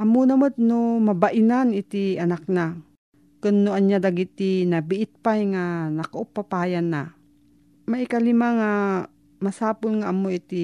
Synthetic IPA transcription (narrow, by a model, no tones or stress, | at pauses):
ʔɐmonɐmot̪̚nomabaʔɪnanɪt̪iɐnak̚na | kʊnːoʔaɲjad̪aɡit̪inabɪʔɪt̪̚pajŋanɐkaʔʊpːapaːjanːa | maʔɪkalɪmaŋa | masaːpʊlŋaʔːmoit̪i